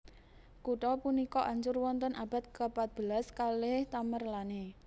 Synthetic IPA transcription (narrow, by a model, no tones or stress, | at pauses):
kuʈɔpunikɔʔaɲt͡ʃʊrwɔnt̪ənʔab̥a̤t̪̚kəpat̪̚b̥əlaskaleht̪amərlane